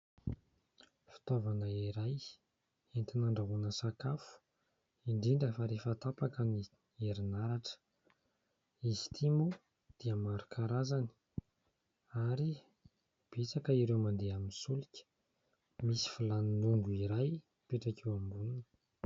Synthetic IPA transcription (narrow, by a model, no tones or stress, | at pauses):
fi̥t̪ovanəiɾaj | ent̪inaɳɖ͡ʐaɦunəsakafu̥ | iɳɖ͡ʐiɳɖ͡ʐəfaɾefat̪apakəni | eɾinaɾaʈ͡ʂə̥ | izi̥t̪ʰimu | d̪̥iəmaɾukʰaɾazani̥ | aɾi | b̥et͡sakəiɾewmand̪eaminsulikʲə̥ | misi̥filaninuŋɡuiɾaj | peʈ͡ʂakʰewambunun